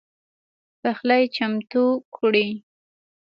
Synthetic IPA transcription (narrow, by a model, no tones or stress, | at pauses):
paxlajt͡ʃamt̪ukʰuɽi